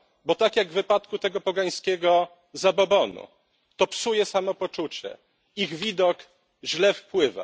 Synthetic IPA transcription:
bɔt̪akjaɡvːɘpat̪kut̪ɛɡɔpɔɡaj̃skʲɛɡɔ | zabɔbɔnṵ | t̪ɔpsujɛsamɔpɔt͡ʂut͡ɕɛ̰ | iɣvʲid̪ɔk | ʑlɛfpwɘva̰

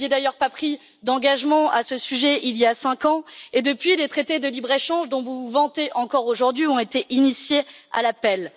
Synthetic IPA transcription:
jed̪ajœʁpapχi | d̪ɑ̃ɡaʒmɑ̃asəsyʒɛʔiljasɛ̃kɑ̃ed̪əpɥilet̪χet̪ed̪əlibʁeʃɑ̃ʒd̪ɔ̃vuvuvɑ̃t̪eʔɑ̃kɔʁoʒuʁd̪ɥiɔ̃et̪eʔinisjea̰lapɛl

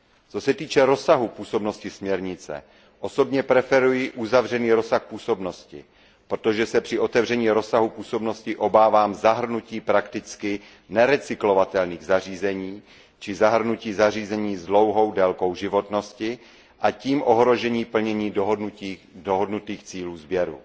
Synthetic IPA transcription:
t͡so̞sɛt̪iːt͡ʃɛɾo̞saɦupuːso̞bno̞scɪsmɲɛɾɲɪt͡sɛ̰ | ʔo̞so̞bɲɛpɾɛfɛɾujɪʔuzavr̝ɛniːɾosaxpuːso̞bno̞scɪ̰ | pɾot̪o̞ʒɛsɛpr̥ɪʔot̪ɛvr̝ɛɲiːɾo̞saɦupuːso̞bno̞scɪʔo̞baːvaːmzaɦr̩nuciːpɾakt̪ɪt͡skɪ | nɛɾɛt͡sɪklo̞vat̪ɛlniːɣzariːzɛɲiː | t͡ʃɪzaɦr̩nuciːzariːzɛɲiːzdlo̞wɦo̞wdɛlko̞wʒɪvo̞t̪no̞scɪ | ʔaciːmʔo̞ɦɾo̞ʒɛɲiːpl̩ɲɛɲiːɦnuidoɦodnut̪iːxt͡siːluːzbjɛɾṵ

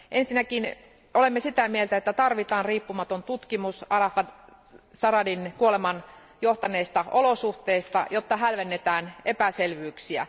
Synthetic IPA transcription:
ʔensinækin | olemːesit̪æmielt̪æet̪ːæt̪ɑrʋit̪ɑːnriːpːumɑt̪ont̪ut̪kimusɑrɑfɑ | sɑrɑdinkuolemɑn | joht̪ɑneːst̪ɑʔolosuht̪eːst̪ɑ̰jot̪ːɑɦælʋenːet̪æːnepæselʋyːksiæ̰

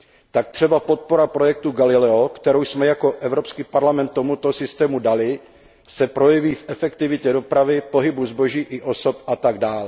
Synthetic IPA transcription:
t̪ak̚t̪r̝̥ɛbapo̞t̪̚po̞ɾapɾo̞jɛk̚t̪uɡalɪlɛokt̪ɛɾowsmɛjakoʔɛvɾo̞pskiːpaɾlamɛnt̪ːo̞mut̪o̞sɪst̪ɛːmudalɪ | sɛpɾo̞jɛviːfʔɛfɛkt̪ɪvɪcɛdo̞pɾavɪpo̞ɦɪbuzbo̞ʒiːʔɪʔo̞sopʔat̪aɡdaːl

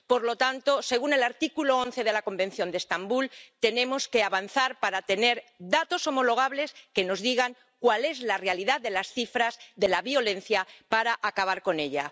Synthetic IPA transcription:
po̞ɾlo̞t̪ant̪o̞se̞ɣune̞laɾt̪ikuloonθe̞ð̞e̞lako̞mbe̞n̟θjo̞nd̪est̪ambult̪e̞nẽ̞mo̞ske̞aβanθaɾpaɾat̪e̞ne̞ɾdat̪o̞so̞mo̞lo̞ɣ̞aβle̞ske̞no̞zðiɣaŋ | kwale̞zlare̞aliðaððe̞lasθifɾazðe̞laβio̞lẽ̞n̟θjapaɾaʔakaβ̞aɾko̞ne̞ʎa

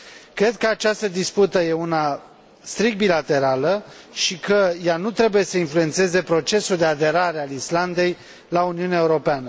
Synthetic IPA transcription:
kɾe̞d̪̚kəat͡ʃast̪əd̪isput̪əje̞una | st̪ɾik̚t̪̚bilat̪e̞ɾaləʃikəjanut̪ɾe̞buje̞səinflue̞nt̪sɨe̞ze̞pɾo̞t͡ʃe̞suld̪e̞ad̪e̞ɾaɾealisland̪e̞j | launiuneaeuɾo̞peanə

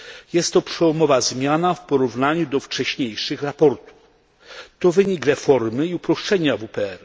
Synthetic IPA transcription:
jɛst̪ːɔpʂɛwɔmɔvazmʲjanafpɔɾuvnaɲud̪ɔft͡ʂɛɕɲejʂɘxɾapɔɾt̪u̥f | t̪ɔvɘɲikɾɛfɔɾmɘiupɾɔʂt͡ʂɛɲavupɛɛɾ

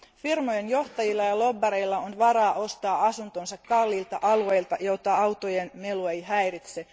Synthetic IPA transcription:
firmojenjo̞ht̪ɑjilːɑjɑlo̞bːɑɾeilːɑonʋɑɾɑːʔo̞st̪ɑːɑsunt̪onsɑkkɑlːilt̪ɑʔɑlue̞ilt̪ɑjot̪ɑɑwt̪ojenmelueiɦæjrit̪se

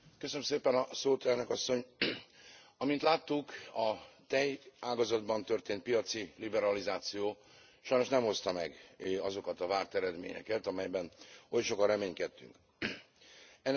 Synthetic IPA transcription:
køsønømseːpɛnɒsoːt̪ɛlnøkɒsːo̞ɲ | ɒmint̪laːt̪ːukɒt̪ɛjaːɡɒzɒd̪bɒnt̪ø̞rt̪eːnt̪̚pijɒt̪silibɛɾɒlizaːt̪sijoː | ʃɒjno̞ʃnɛmho̞st̪ɒmɛɡɒzo̞kɒt̪ɒvaːrt̪ɛɾɛd̪mḛːɲɛ̰kɛt̪ɒmɛjbɛnojʃo̞kɒrɛmeːɲkɛt̪ːy̰ŋk

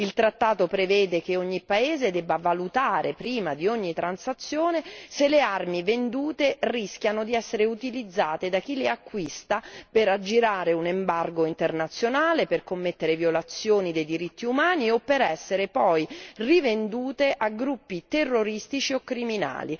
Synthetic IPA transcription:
ilt̪ɾat̪ːaːt̪opɾevɛːd̪ek̟eoɲːipːaeːzed̪ɛbːavalut̪aːɾʔepɾiːmad̪ioɲːit̪ːɾansat̪sːjoːneselearmivend̪uːt̪erisk̟janod̪iɛsːeɾeut̪ilid̪zːaːt̪ed̪ak̟ileakːwist̪apeɾad͡ʒiɾaːɾeunembarɡoint̪ernat̪sjonaːleperkomːet̪ːeɾevjolat̪sːjoːnid̪ejd̪iɾit̪ːiumaːniopːeɾɛsːeɾepɔjrivend̪uːt̪eʔaɡɾupːit̪erːoɾist̪it͡ʃiokːɾimina̰ːli

